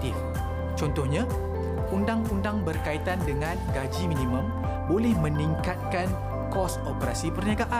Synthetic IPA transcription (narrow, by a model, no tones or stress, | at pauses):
t̪if | t͡ʃɔnt̪ɔhɲã | ʔundaŋundaŋbərkait̪andəŋãnɡad͡ʒimĩnimə̃m | bolɛhmə̃niŋkat̪̚kan | kɔsopəɾa̰sipərɲakaʔa